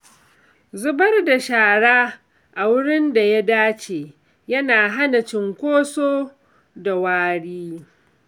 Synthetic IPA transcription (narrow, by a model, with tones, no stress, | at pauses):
zʊ˦bɐ˦rda˨ʃaː˨ɽaː˦ | ʔa˨wʊ˦ɽɪ˦nda˨ja˦daː˦t͡ʃeː˨ | jɐ˦naː˨ɦa˦na˨t͡ʃɪ˨ŋkʷoː˦soː˦ | da˨waː˦ɽiː˦